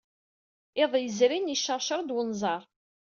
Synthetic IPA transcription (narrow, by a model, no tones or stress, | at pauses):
ɪðˤjəzɾiniʃəʁʃəɾˤd̪wənzˤɑɾˤ